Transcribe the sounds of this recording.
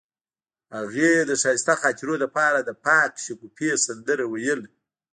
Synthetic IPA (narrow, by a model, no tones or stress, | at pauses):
haɣed̪əʂɑjst̪axɑt̪ɪɾod̪əpɑɾad̪əpɑkʃʊkupesand̪əɾawajəl